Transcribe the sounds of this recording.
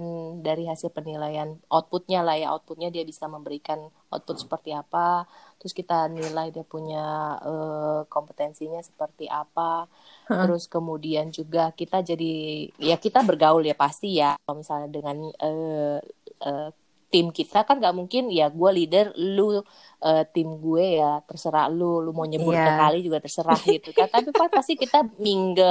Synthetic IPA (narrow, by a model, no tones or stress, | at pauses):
ndaɾiɦasɪlpənilajanʔat̪̚pʊt̪̚ɲalahjaa̰t̪̚pʊt̪̚ɲadiabisaməmbəɾikanʔɔ̰t̪̚pʊt̪̚sə̥pərt̪iapat̪əɾʊskit̪anilajdiapuɲaəkompət̪ɛnsiɲasə̥pərt̪iʔapa | t̪əɾʊskəmudiand͡ʒuɡakit̪ad͡ʒadijakit̪abərɡaʊljapast̪ijakomisalɲadəŋanə | ʔə | t̪ɪmkit̪akanɡaʔmuŋkɪnjaɡualidərlu | ʔəːt̪ɪmɡuejat̪ərsəɾa̰hlulumawɲəbʊsəkalid͡ʒuɡat̪ərsəɾahɡit̪ukant̪apipaast̪ikit̪amiŋɡa